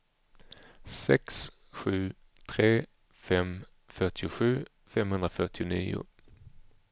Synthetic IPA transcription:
sɛ̰ks | ɧʉː | t̪ʰʁeː | fɛm | fœʁʈʰɪʊɧʉː | fɛmhɵnd̪ʁəfœʁʈʰɪʊniːʊ̰

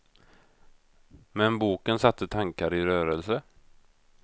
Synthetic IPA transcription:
mɛnbuːkənsat̪ʰːət̪ʰaŋkaɾɪɾœːɾəlsə

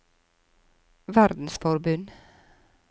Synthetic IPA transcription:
ʋæɾd̪n̩sfɔɾbʉn

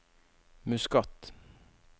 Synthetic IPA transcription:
mʉskɑt̪

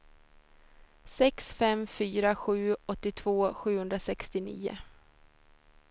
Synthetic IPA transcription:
sɛksfɛmfyːɾaɧʉ̟ːɔt̪ːɪt̪ʰv̥oːɧʉ̟ːhɵnd̪ɾasɛkst̪ɪnḭːʊ̰

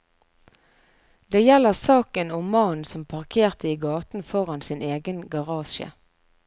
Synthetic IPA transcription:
d̪eːjɛləʁsɑːkənʊmɑnsɔmpʰɑʁkʰeːʁt̪əiːɡɑːt̪n̩fɔʁɑnsɪneːɡənɡɑʁɑːʃə̰

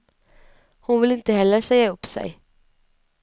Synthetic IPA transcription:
hʊnvɪlɪnt̪əhɛlːəʂɛjaɵpːsɛ̰j

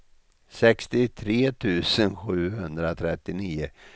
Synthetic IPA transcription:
sɛkst̪ɪt̪ʰɾeːt̪ʰʉ̟ːsənɧʉ̟ːhɵnd̪ɾat̪ʰɾɛt̪ːɪniːʊ

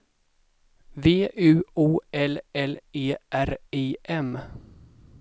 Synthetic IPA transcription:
veːʔʉ̟ːuːɛlɛleːʔæɾeːʔɛm

